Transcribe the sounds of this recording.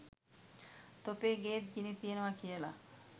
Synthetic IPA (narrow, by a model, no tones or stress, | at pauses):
t̪opeɡet̪̚d͡ʑinit̪ienowakʰiela̰